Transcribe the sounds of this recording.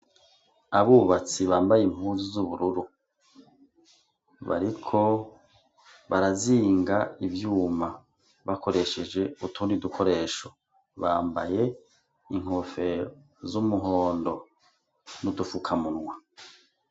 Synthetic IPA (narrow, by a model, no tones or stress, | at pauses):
aβuβat͡siβaːmbajim̥uːzuzuβuɾuɾu | βa̰ɾikʰo̞ | βaɾaziːŋɡaivjuːma | βako̞ɾe̞ʃe̞d͡ʒe̞utunidukʰo̞ɾe̞ːʃo | βaːmba̰je̞ | iŋ̥hofe̞ | zumuɦo̞ːndo̞ | nudufukʰamunwa